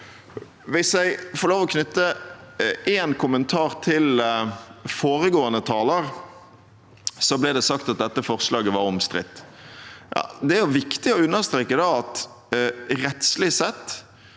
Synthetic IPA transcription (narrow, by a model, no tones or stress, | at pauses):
ʋɪsjæɪfɔɾloːʋɔkʰnʏt̪ːə | ʔeːnkʰʊmənt̪ʰɑːɾt̪ʰɪl | foːɾəɡoːənət̪ʰɑːləɾ | sɔblɛd̪ɛsɑkt̪ɑt̪̚d̪ɛt̪ːəfɔʁslɑːɡəʋɑɾɔmst̪ɾɪ̰t̪ː | jɑ̰ːd̪ɛæɾjʊʋɪkt̪ɪɔʉnːəʁst̪ɾeːkəd̪ɑɑt̪ | ɾɛt̪slɪsɛt̪ː